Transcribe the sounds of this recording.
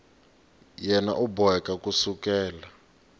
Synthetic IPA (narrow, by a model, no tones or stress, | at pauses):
jɛna̰ʔubɔɛkʼakʼusukɛːla